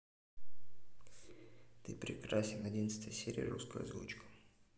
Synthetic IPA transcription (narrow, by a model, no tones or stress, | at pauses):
t̪ɨpɾʲɪkɾasʲɪnɐdʲinət̪st̪əjəsʲeɾʲɪ̰jə̰ɾuskəj̰zvṵt͡ɕkʊ̥